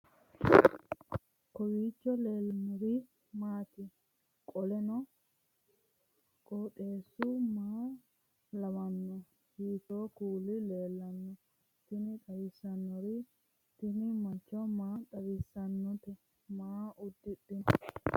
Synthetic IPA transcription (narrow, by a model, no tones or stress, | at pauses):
kɔwiːt͡ʃːɔleːlnɔɾi | maːt̪ɪ | kʼɔlɛnɔ | kʼoːᶑeːsːumaː | lɐmɐnːɔ | hiːt̪oːkuːlɪleːlːɐnːɔ | t̪ɪnɪt̪ʼɐwɪsːɐnːɔɾɪ | t̪ɪnɪmɐt͡ʃːɔmaːt̪ɐwɪsːɐnːɔt̪ɛ | maːʊd̪ːɪɗɪnɔ